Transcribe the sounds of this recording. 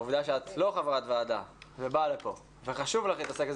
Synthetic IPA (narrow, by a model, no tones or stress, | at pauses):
uvd̪aʃeat̪lo̞χavʁat̪vaːd̪a̰vebalepo̞ | veχaʃuvlaχit̪aseke